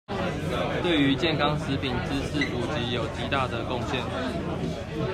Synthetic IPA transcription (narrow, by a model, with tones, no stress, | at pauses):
t̪we˥˩ɪy˨˧˦t͡ɕjɛ˥˨nkʰɑ˥˦ŋs̩˨˦pi˨˩nt͡sɻ̩˥˦s̩˥˩ʔu˨˩t͡ɕi˨˥˦jo˨˩ʊt͡ɕi˧˥t̪a˥˩d̪ə˨ko˥˨ŋɕjɛ˥˨n